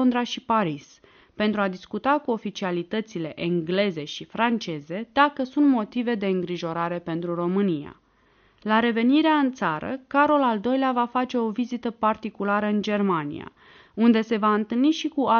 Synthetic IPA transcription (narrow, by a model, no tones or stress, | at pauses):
nd̪ɾaʃipaɾis | pe̞nt̪ɾuad̪iskut̪akuo̞fit͡ʃialit̪ət̪sile̞ʔeŋɡle̞ze̞ʃifɾant͡ʃe̞ze̞d̪akəsunt̪mo̞t̪ive̞d̪e̞ɨŋɡɾiʒo̞ɾaɾe̞pe̞nt̪ɾuro̞mɨnija̰ | laɾe̞ve̞niɾeaɨnt̪saɾə̰kaɾolald̪o̞jleavafat͡ʃe̞o̞vizit̪əpart̪ikulaɾəɨnd͡ʒe̞rmanḭja̰ | und̪e̞se̞vaɨnt̪ɨlniʃikua